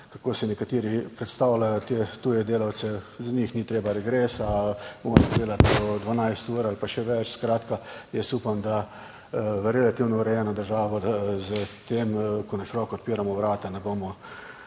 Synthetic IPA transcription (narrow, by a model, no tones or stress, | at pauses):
kakoːsɛnɛkat̪iːɾipɾɛt̪st̪aːwlajɔt̪et̪uːjɛd̪eːlawt̪sɛzanixnit̪ɾeːbaɾɛɡɾeːsabomɔsd̪eːlaɔd̪ʋanajst̪uːɾalpaʃɛʋɛt͡ʃskɾaːt̪kajɛst̪uːpamd̪a | ɾɛlat̪iwnɔuɾɛjɛːnɔd̪əɾʒaːʋɔd̪zət̪eːmkɔnaʃiɾɔːkɔɔt̪̚piːɾamɔʋɾaːt̪anɛboːmɔ